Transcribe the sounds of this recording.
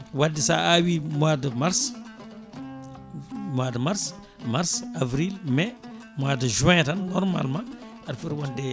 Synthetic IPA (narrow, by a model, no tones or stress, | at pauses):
wadisa̰awimadəmaɾs | mwadəmaɾs | maɾsavɾilmɛ | mwadəʒuwɛ̃tanːɔɾma̰lmã | aɾfiɾwɔnde